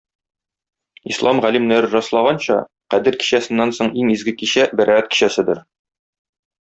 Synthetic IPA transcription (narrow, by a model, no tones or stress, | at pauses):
islˠɑmʁælimnæɾɘɾɒslˠɑʁɑnɕɑ̰ | qæd̪ɘɾki̥ɕæsɘ̆nːænsoɴiŋizɡɘkiɕæbæɾææt̪̚ki̥ɕæsɘd̪ɘɾ